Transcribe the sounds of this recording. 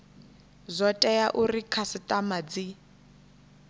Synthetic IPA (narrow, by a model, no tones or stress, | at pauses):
zʷɔtʼɛjaʔurikʰasɪtʼamad͡zi